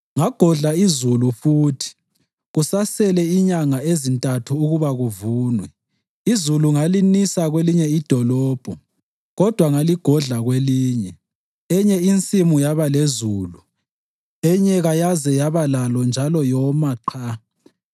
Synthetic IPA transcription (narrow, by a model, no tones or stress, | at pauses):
ŋaɡ̥ʱɔɮaizulufuːtʰi̥ | ɣusasɛlɛiɲaŋaezintʼatʰuːɣuβaɣuvuːnwɛ | izuluŋalinisaɣweliɲɛid̥ʱɔlɔːb̥ʱɔ | ɣɔd̥ʱwaŋaliɡ̥ʱɔɮaɣweliːɲɛ | ɛɲɛint͡sʼimujaβalezuːlu | ɛɲɛɣajazɛjaβalalɔnd͡ʒʱalɔjɔmaǃʰa